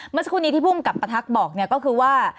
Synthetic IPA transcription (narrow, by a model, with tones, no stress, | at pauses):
mɯ˥˩˨sa˧kʰuː˧˥˩niː˨˦˥iː˥˩pʰu˥˩ŋka˨˩pːa˧t̪ʰa˦˥k̚bɔː˨˩k̚ni˥˩ɐkɔː˥˩kʰɯː˧waː˥˩